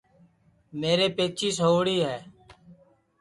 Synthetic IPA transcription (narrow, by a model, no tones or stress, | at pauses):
meːɾeːpeːt͡ʃiːsoːʋɽiːɦɛː